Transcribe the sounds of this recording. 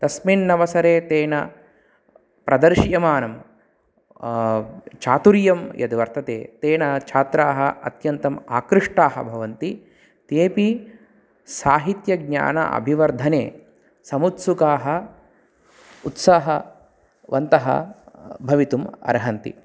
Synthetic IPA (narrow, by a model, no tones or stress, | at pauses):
t̪ɐsminːɐʋɐsɐɾeːt̪eːnɐ | pɾɐd̪ɐɾʃjɐmaːnɐm | t͡ʃʰaːt̪uɾjɐmjɐ̰d̪ʋɐɾt̪ɐt̪eːt̪eːnɐt͡ʃʰaːt̪ɾaːɦɐɐ̰t̪jɐnt̪ɐmaːkɾɨʂʈaːɦɐ̰bʱɐʋɐnt̪i | t̪eːpi | saːɦit̪jɐɡɲa̰ːnɐ̰ʔɐ̰bʱiʋɐɾd̪ʱɐneː | sɐmut̪sukaːɦɐ | ut̪saːɦɐ | ʋɐnt̪ɐɦɐ̰bʱɐʋit̪umɐ̰ɾɦɐnt̪ḭ